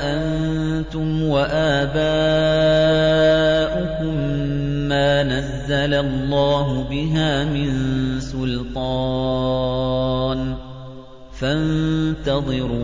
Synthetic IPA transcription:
ʔan | t̪ʊmwaʔaːbaː | ʔʊkʊmː | aːnazːalalˤːɑːɦʊbɪɦaːmɪnsʊlt̪ˤɑ | n | fant̪ɑðˤɨɾuː

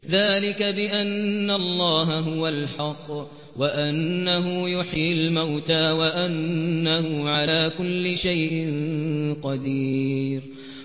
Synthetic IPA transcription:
ðaːlɪkabɪʔanːalˤːɑːɦaɦʊwalħɑqː | waʔanːaɦʊjʊħjlmawt̪aːwaʔanːahʊʕalaːkʊlːɪʃajʔɪnnqɑd̪iːɾ

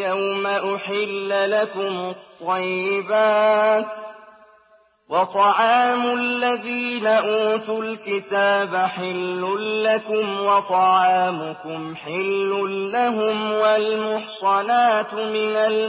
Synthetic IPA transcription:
jawmaʔʊħɪlːlakʊmʊt̪ˤːɑjːɪbaːt̪ | wɑt̪ˤɑʕɑːmʊlːaðiːnaʔuːt̪ʊlkɪt̪aːbaħɪlːʊlːakʊmwɑt̪ˤɑʕɑːmʊkʊmħɪlːʊːaɦʊmwalmʊħsˤɑnaːt̪mɪnal

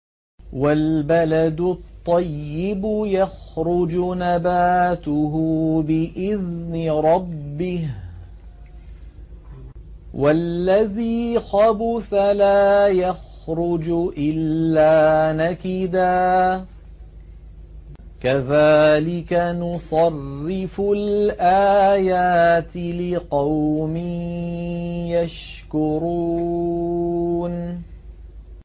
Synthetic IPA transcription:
walbalad̪ʊt̪ˤːɑjːɪbʊjaxɾˤʊd͡ʒʊnabaːt̪ʊɦʊbɪʔɪðnɪɾˤɑbːɪh | wʔalːaðiːxɑbʊθalaːjax | ɾʊd͡ʒʊʔɪlːaːnakɪd̪aː | kaðaːlɪkanʊsˤɑrːɪfʊlʔaːjaːt̪ɪlɪqɑwmi | jaʃkʊɾuː | n

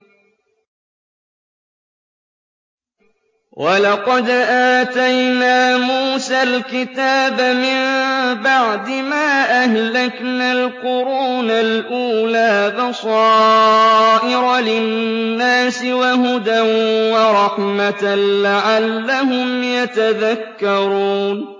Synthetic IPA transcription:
wʔɑlɑqɑd̪ʔaːt̪ajnaːmuːsalkɪt̪aːbamɪmbaʕd̪ɪmaːʔahlaknalqʊɾuːnalʔuːlaːbɑsˤɑː | ʔɪɾlɪnːaːsɪwaɦʊd̪anwɑɾˤɑħmat̪laʕalːahʊmjat̪aðakːɑɾuːn

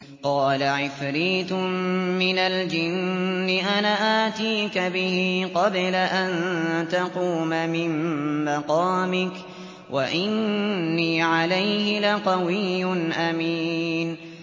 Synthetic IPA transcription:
qɑːlaʕɪfɾiːt̪ʊmmɪnald͡ʒɪnːɪʔanaʔaːt̪iːkabɪhiqɑblaʔant̪aquːmamɪmːɑqɑːmɪk | wʔaʔɪnnːiːʕalajhɪlaqɑwɪjːʊnʔamiːn

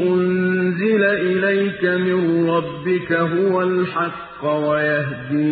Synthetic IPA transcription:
ʔʊnnzɪlaʔɪlajkamɪnɾˤɑbːɪkaɦʊwalħɑqːwajaɦd̪iː

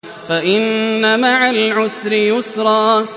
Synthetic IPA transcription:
faʔɪnːamaʕalʕʊsɾɪjʊsɾˤɑː

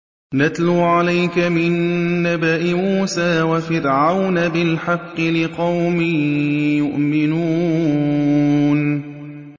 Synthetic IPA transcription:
nat̪luːʕalajkamɪnːabaʔɪmuːsaːwafɪɾʕawnabɪlħɑqːɨlɪqɑwmɪjʊʔmɪnuː | n

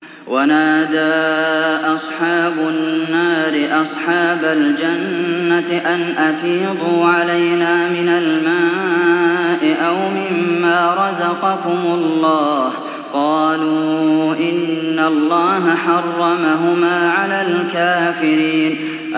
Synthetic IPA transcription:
wʔanaːd̪aːʔɑsˤħɑːbʊnːaːɾɪʔɑsˤħɑːbald͡ʒanːaʔanʔɑfiːd̪ˤuːʕalajnaːmɪnalmaː | ʔɪʔawmɪmːaːɾˤɑzɑqɑkʊmʊllˤːɑːh | qɑːluːʔɪnːalːɑːɦaħɑrˤːɑmaɦʊmaːʕalaːlkaːfɪɾiːn

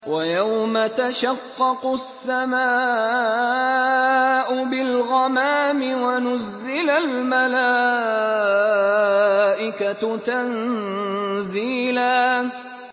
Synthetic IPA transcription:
wajawmat̪aʃɑqːɑqʊsːamaː | ʔʊbɪlɣɑmaːmɪwanʊzːɪlalmala | ʔɪkat̪an | ziːlaː

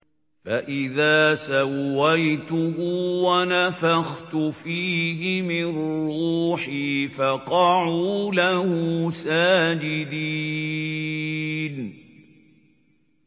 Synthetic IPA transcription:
faʔɪðaːsawːajt̪ʊɦʊwanafaxt̪ʊfiːhɪmɪruːħiːfaqɑʕulahʊsaːd͡ʒɪd̪i | n

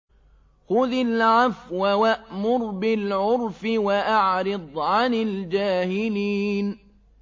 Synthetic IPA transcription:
xʊðalʕafwawaʔmʊɾbɪlʕʊɾfɪwaʔaʕɾɨd̪ˤʕanɪld͡ʒaːhɪliːn

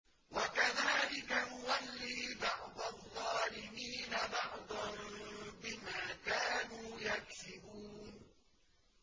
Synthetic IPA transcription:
wakaðaːlɪkajʊwalːiːbɑʕd̪ˤɑðˤːɑːlɪmiːnabɑʕd̪ˤɑnbɪmaːkaːnuːjaksɪbuːn

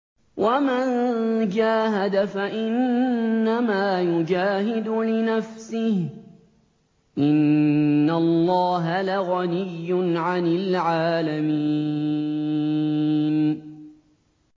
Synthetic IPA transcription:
wʔamand͡ʒaːɦad̪afaʔɪnːamaːjʊd͡ʒaːɦɪd̪ʊlɪnafsɪh | ʔɪnː | alˤːɑːɦalaɣanɪjːʊnʕanɪlʕaːlamiː | n

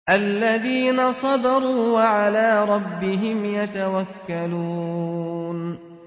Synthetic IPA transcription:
ʔalːaðiːnasˤɑd̪ɑɾˤuːwaʕalaːɾˤɑbːɪɦɪmjat̪awakːaluː | n

